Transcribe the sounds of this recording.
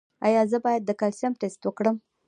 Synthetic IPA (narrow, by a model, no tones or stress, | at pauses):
ajɑzəbɑjad̪̚ːəkalsjamʈest̪wəkɽəm